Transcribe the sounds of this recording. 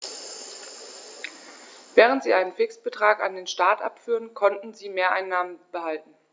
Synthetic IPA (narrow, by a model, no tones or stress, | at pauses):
vɛːʁ̞əntz̥iːʔaɪnənfɪksb̥ətʁ̥aːka̰ndeːnʃtaːtʔa̰pfyːʁənkʰɔntn̩ziːmeːɐʔaɪnːaːmənb̥əhaltn̩